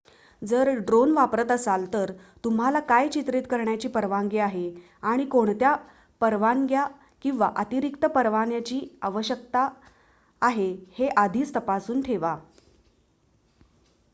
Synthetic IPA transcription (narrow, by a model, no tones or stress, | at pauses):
d͡zəɾɖɾonʋapɾət̪əsalt̪əɾt̪um̤alakajt͡ɕit̪ɾit̪kəɾɳjat͡ɕiːpəɾʋaŋɡiaɦe | aɽ̃ikoɳt̪ja | pəɾʋaŋɡja | kĩw̃ʋaʔət̪iɾikt̪əpəɾʋanjat͡ɕiːaʋəɕək̚t̪aː | ɦeheʔad̪ʱiːt͡st̪əpasuːnʈʰeʋa